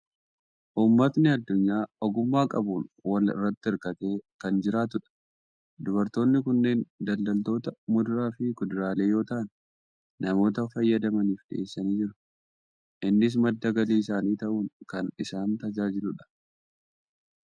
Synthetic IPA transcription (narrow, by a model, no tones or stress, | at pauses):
ʔuːmːɐt̪nɪɐd̪ːʊɲːaːɔɡʊmːaːkʼɐbuːnwɐlɪ̰rːɐt̪ːɪɪɾkɐt̪e̞ːkɐnd͡ʒɪɾaːt̪ʊᶑɐ̥ | d̪ʊβɐɾt̪o̞ːnːɪkʊnːe̞ːnd̪ɐld̪ɐlt̪o̞ːt̪ɐmʊd̪ʊɾaːfɪkʊd̪ʊɾaːle̞ːjo̞ːt̪ɐʔɐn | nɐmo̞ːt̪ɐfɐjːɐd̪ɐmɐniːfᶑɪ̰ʔeːsːɐniːd͡ʒɪɾʊ̥ | ʔɪnːɪs̬mɐd̪ːɐɡɐliːɪsaːniːt̪ɐʔuːŋkɐnɪsaːnt̪ɐd͡ʒaːd͡ʒɪlʊᶑɐ̥